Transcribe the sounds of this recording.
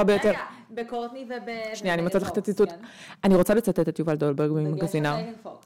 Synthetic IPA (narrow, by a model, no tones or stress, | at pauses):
aʁbejo̞t̪eʁ | bekot̪nivebʃniaːnimot͡satlaχet̪at͡sit͡sut̪ | aniʁo̞t͡salet͡sat̪et̪at̪juvald̪olbeɡvimaɡazina